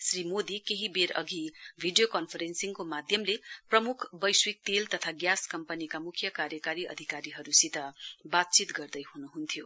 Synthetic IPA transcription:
srimod̪ikeɦibeɾʌ̰ɡibʱiɖijokʌnpʰʌɾensiŋkomad̪ʱjʌmleprʌmukʰbʌjswik̚t̪elt̪ʌt̪ʰaɡjaskʌmpʌnikamukʰjʌkaɾjʌkaɾiʔʌ̰d̪ʱikaɾiɦʌɾusit̪ʌbat̪̚t͡sit̪ɡʌrd̪ʌjɦunuɦunt̪ʰijo

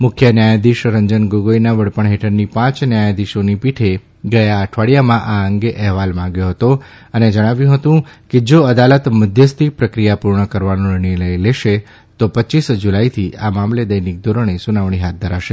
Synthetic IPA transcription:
mʊkʰjənjajad̪iʃɾəɲd͡ʒənɡoɡojnaʋəɽpəɳɦeʈʰəɾnipãt͡ʃnjajad̪iʃonipiʈʰe | ɡəjaːʈʰʋaɽijamãʔaəŋɡeʔɛɦʋalmãŋɡjoɦət̪o | əned͡ʒəɽ̃aʋjũɦət̪ũked͡ʒoəd̪alət̪məd̪ʱjəst̪ipɾəkɾijapuɾɳəkəɾʋanoɾɳiləleʃe | t̪opətːʃisd͡ʒulajt̪ʰiamamled̪əjnik̚d̪oɾoɳ̃esunaʋɳ̃iɦat̪̚d̪ʱəɾaʃe

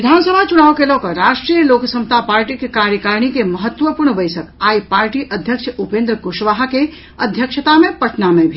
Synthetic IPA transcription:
ɾɪd̪ʱaːnsəbʱat͡ʃuñaːʋkelokɐɾaːʃʈɾijəloːksə̃mt̪apaːɾʈikekaːɾjəkaːɾɳ̃ikemɐɦət̪ːʋəpuɾɳbəɪsəkaːipaːɾʈiʔɐd̪ʱjəkʃupẽːnd̪ɾəkʊʃʋaːɦke | ɐd̪ʱjəkʃət̪amẽpɐʈʰnamẽbʱi

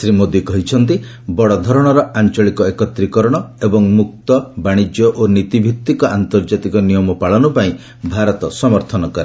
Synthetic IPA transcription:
sɾimod̪ikɔɦit͡ʃʰɔnt̪i | bɔɽɔd̪ʱɔɾɔɽ̃ɔɾɔant͡ʃɔɭikɔekɔt̪ɾikɔɾɔɽ̃ɔebɔŋmuk̚t̪ɔbaɽ̃id͡ʒjɔʔonit̪ibʱik̚t̪ikɔʔant̪ɔɾd͡ʒat̪ikɔnijɔmɔpaɭɔnupaĩ | bʱaɾɔt̪ɔsɔmɔɾt̪ʰɔnɔkɔɾe

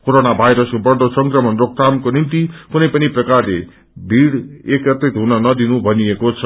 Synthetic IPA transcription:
koɾonabʱajɾʌskobʌrd̪osʌŋkrʌmʌnrok̚t̪ʰamkonint̪ikunʌjpʌniprʌkarle | bʱiɽekʌt̪ːit̪ɦunʌnʌd̪inubʱʌniekot͡sʰʌ

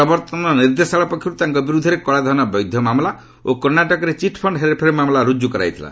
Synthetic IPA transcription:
ɾɔbɔɾt̪ɔnɔniɾd̪esaɭɔpɔkʰjɔut̪aŋkɔbiɾud̪ʱɔɾekɔɭad̪ʱɔnɔbɔjd̪ʱjɔmamla | okɔɾnaʈɔkɔɾet͡ʃiʈʰpʰɔɳɖɦeɾepʰeɾmamlaɾud͡ʒjukɔɾa̰jt̪ʰila̰

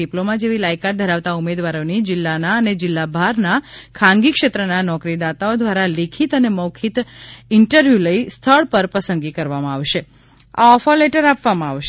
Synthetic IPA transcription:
iplomãd͡ʒeʋilajkat̪̚d̪ʱəɾaʋt̪aumed̪ʋaɾonid͡ʒɪlːanaəned͡ʒɪlːabʱaɾnakʰãŋɡikʃet̪ɾənanɔkɾid̪at̪aod̪ʋaɾalekʰit̪ənemɔkʰit̪ɪɳʈəɾʋjuləist̪ʰəɭpəɾpəsənɡikəɾʋamãaʋʃe | a̰ɔfʰəɾleʈəɾapʋamãaʋʃ

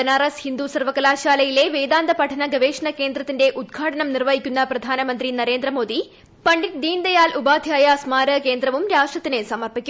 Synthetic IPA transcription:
enaːɾɐshind̪usɐrʋɐkːɐlaːɕaːlɐjile̞ʋeːd̪aːnd̪ɐpɐʈʰɐnɐɡɐʋeːʂɐɳɐke̞ːnd̪rɐt̪ːinde̞ʔud̪̚ɡʱaːʈʰɐnɐmnirʋɐjikʲːunːɐprɐd̪ʱaːnɐmɐnd̪rinɐɾe̞ːnd̪ɾɐmo̞ːd̪i | pɐɳɖiʈd̪iːnd̪ɐjaːlʔubaːd̪ʱjaːjɐsmaːɾɐke̞ːnd̪ɾɐʋumɾaːʂʈrɐt̪ːinesɐmɐrpikʲːu

